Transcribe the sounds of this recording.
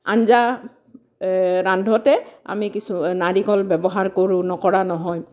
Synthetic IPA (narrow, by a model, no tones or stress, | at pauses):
a̰nza | ɹandʱɔtɛa̰mikisunaɹikɔlbɛbɔɦaɹkoɹũnɔkɔɹanɔɦɔj